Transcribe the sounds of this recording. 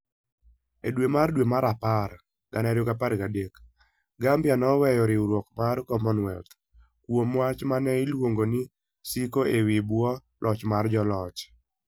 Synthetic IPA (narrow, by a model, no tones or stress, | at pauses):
edwemardwemaɾapar | ɡ̥anɛɾjoɡapaɾɡadek | ɡambjanɔwɛjɔɾɪuɾwokmarkɔmɔnwɛt̪ | kwomwat͡ʃmanɛɪlwoŋɡoni | sikoewibwɔ | lʔɔt͡ʃmard͡ʒɔlɔt͡ʃ